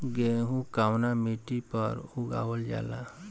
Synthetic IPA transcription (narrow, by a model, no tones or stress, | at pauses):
ɡeɦũkaːwnamiʈipəɾʊɡa̰ːwəld͡ʒa̰ːla